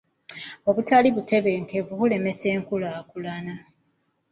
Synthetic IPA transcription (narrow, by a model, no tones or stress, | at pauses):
o̞βutaliβutʰe̞βe̞ŋke̞vukule̞me̞seːŋkulaːkulana